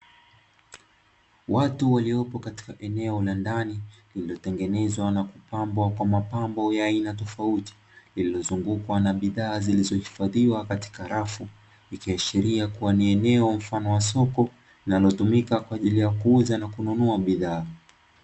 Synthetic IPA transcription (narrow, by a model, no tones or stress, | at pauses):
watuwaliɔpɔkati̥kaʔɛnɛɔlandanilililɔtɛŋɡɛnɛzwanakupambwakwamapambɔjaːinatɔfauti̥ | lililɔzuŋɡukwanaɓiðaːzilizɔhifaðiwakati̥kaɾafu | ikiaʃiɾiakuwaniɛnɛɔm̩fanɔwasɔkɔ | linalɔtumikakwaːʄilijakuuzanakununuaɓiðaː